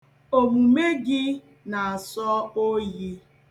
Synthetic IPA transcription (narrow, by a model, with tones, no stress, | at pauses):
o˨mu˨me˦ɡɪ˦ | na˨a˨sɔ˦o˦je˦